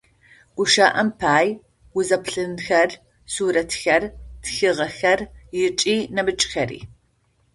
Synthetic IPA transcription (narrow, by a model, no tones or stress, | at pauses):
ɡ̥ʷʊʃaːʔɐmpʰaːj | wʊzɐpɬɨnxɐr | suːɾɐtʰxɐrtʰxɨʁɐxɐrjɪt͡ʃʼiːnɐbɨt͡ʃʼxɐɾḭː